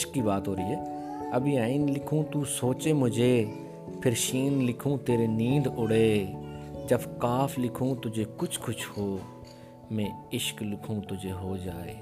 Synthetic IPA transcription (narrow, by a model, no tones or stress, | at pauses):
ʃkːiːbaːt̪ɦoːɾəiːɦɛːəbʱiaːɪnlɪkʰũːt̪uːsoːt͡ʃeːmʊd͡ʒʱeː | pʰɪɾʃiːnlɪkʰũːt̪eːɾeːniːd̪ʊɽeː | d͡ʒəbkaːfʰlɪkʰũːt̪ʊd͡ʒʱeːkʊt͡ʃʰkʊt͡ʃʰhoː | mɛ̃ːɪʃklɪkʰũːt̪ʊd͡ʒʱeːɦoːd͡ʒaːḛː